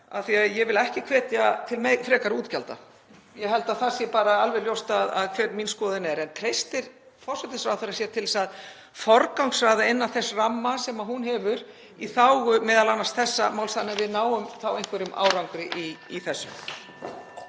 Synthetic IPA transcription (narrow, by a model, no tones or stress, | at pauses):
a̰θiaðjɛvɪlɛhcɪkʰv̥ɛːt̪jat̪ʰɪlmɛfɾɛːkaɾuːt̪calt̪a̰ | jɛɦɛlt̪aðθasjɛpaːɾaalvɛɾljowst̪aða̰ðkʰv̥ɛːɾminskɔːðɪnɛɾɛnt̪ʰɾejst̪ɪɾ̥ | fɔr̥sɛt̪ɪsfɾawθaɾasjɛɾ̥t̪ʰɪlsað | fɔɾkawŋksɾajðaɪnːaθɛsramːasɛmaɦunɦɛvʏɾ | iθawɣʏmɛːðalanːast̪θɛsːamaːwlsθanːɛɾvɪðnaːwʏmθawejŋkvɛɾʏmʔa̰ːwɾawŋkɾɪʔiiθɛsːʏ̰m